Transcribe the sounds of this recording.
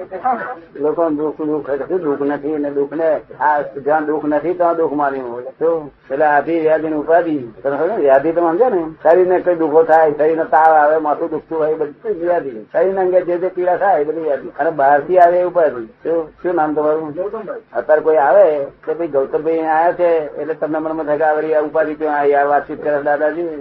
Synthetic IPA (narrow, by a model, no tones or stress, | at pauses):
lokond̪ʊkʰd̪ukʰek̪et̪ũd̪ʊkʰnət̪ʰined̪ʊkʰnead͡ʒãd̪ʊkʰnət̪ʰit̪oãd̪ʊkʰmaːnjut̪opelead̪iʋjaːd̪inʊpad̪iːt̪əñsaʋjaːd̪it̪omə̃nd͡ʒanesaɾinekəid̪ukʰot̪ʰajsəɾinət̪aʋaʋemat̪ũd̪uk̚ʰt̪ũkʰaibəd̪jad̪ʱisəɾinəŋɡed͡ʒed͡ʒ̪epiɽasajbəd̪iʋjad̪iənebʱaɾt̪iaʋeupad̪it͡ʃoʃũnamt̪əmaɾũ | ət̪əɾkoiaʋekebəiɡəlt̪əbə̃ajat͡ʃʰeḛtlet̪əmnemənmə̃t̪ʰəkaʋəɾiupad̪ikjõaiaʋat̪t͡ʃit̪̚kəɾəsd̪ad̪ad͡ʒi